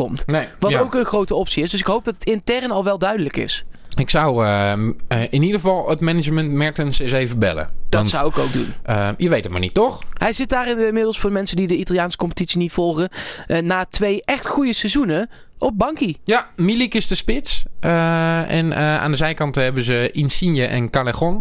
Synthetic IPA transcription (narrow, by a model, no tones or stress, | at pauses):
ɔmtʋɑtowkənχrowtəɔpsiɪsdɵsɪkɦowp̚dɑtətɪntɛrnɑlˠʋɛlˠdœɥdələkɪ̰sɪksʌwəəʔɪnidəɣəvɑlˠətmɛnɪd͡ʒməntmɛɹktənsɪsejvəbɛ̰lə̰d̥tnsʌwɪkowɡ̚dṵnəjəʋejtətma̰ːɹnitɔχɦɛjzɪt̚daːrɪnmɪdəlˠsfʊːmɛnsəndidəitalˠjaːnsə̥kɔmpə̥titsinitfɔlˠχəənaːtʋejʔɛχtχujəsɛzunə | ʔɔb̚bɑŋkijamilikɪsdəspɪtsəɛ̰nəa̰ːndəzɛjkɑntəɦɛbəzəinsinjəʔɛ̰nkaləχɔn